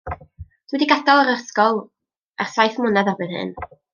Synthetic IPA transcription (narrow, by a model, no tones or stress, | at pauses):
d̥wɛdiɡadɔlˠəɾərskɔlˠ | ɛrsajθmʊnaðarbɨnhɨ̰n